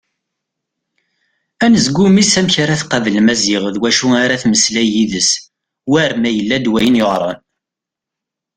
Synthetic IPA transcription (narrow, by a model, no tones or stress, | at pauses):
ænəzɡʷumisæmçaɾaθqɑvəlmæzɪʁðwæʃuaɾaθməslæjiðəs | wæɾmæjəlːæd̪wæjənjoʁɾˤɑ̰n